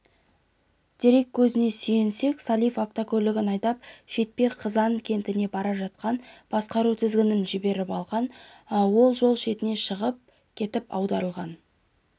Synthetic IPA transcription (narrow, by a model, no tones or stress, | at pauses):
d̪̥ʰe̞ɾe̞kʲʰːɵzɪne̞sijense̞ksɑlˠijfapt̪okʲʰɵlɪɡʲɪnɑjt̪ɑpʃe̞t̪̚peqʰəzɑnəɴkʲʰe̞nt̪ɪne̞bɑɾɑʒɑt̪̚qɑnb̥ɑsqɑɾut̪ʰɪzɡʲɪnɪnʒɪbe̞ɾɪpɑlˠʁɑnwo̞lˠʒo̞lˠʃe̞t̪ɪne̞ʃəʁəp̚ | kʲʰe̞t̪ɪpɑ̰wd̪ɑɾəlˠʁɑn